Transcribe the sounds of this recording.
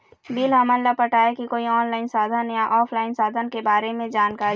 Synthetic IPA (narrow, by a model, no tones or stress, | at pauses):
biːlɦɐməllapəʈʰaːekikoːiɔːnlaːɪnsaːd̪ʱənjaʔɔːpʰlaːɪnsaːd̪ʱənkebaːɾemẽd͡ʒaːnkaːɾi